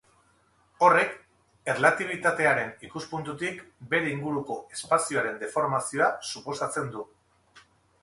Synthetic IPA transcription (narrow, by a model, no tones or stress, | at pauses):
o̞re̞k | e̞ɾlat̪iβ̞it̪at̪e̞aɾe̞nikuspunt̪ut̪ikbe̞ɾe̞iŋɡuɾuko̞e̞spasioaɾe̞nd̪e̞fo̞ɾmasio̞asupo̞sat͡se̞nd̪u